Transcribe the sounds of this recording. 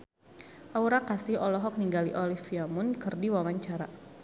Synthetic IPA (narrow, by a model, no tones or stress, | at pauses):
ʔauɾakasɪhɔlɔɦɔk̚niŋɡaliʔɔlifiamʊnkɨrdiwawaɲt͡ʃaɾa